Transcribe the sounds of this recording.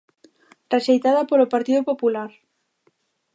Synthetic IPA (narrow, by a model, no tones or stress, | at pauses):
reʃejt̪aðɐpolopaɾt̪iðopopulaɾ